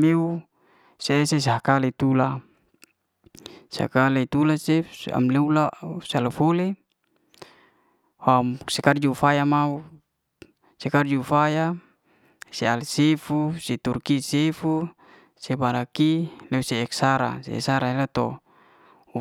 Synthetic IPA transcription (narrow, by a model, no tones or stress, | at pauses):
meu | seːses̬akalet̪ula | sa̰kalet̪ulasea̰mleulasalafole | wamsɛkard͡ʒuufajamau | sekard͡ʒuufaja | sealsefuset̪urkisefu | sebaɾakileuseːksaɾa̰sḛḛsaɾaelat̪ɔ | u